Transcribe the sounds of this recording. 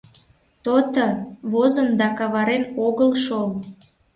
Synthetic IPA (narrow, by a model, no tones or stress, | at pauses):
t̪ot̪ə̆βozənd̪ɑkɑβɑɾenoɣəlʃol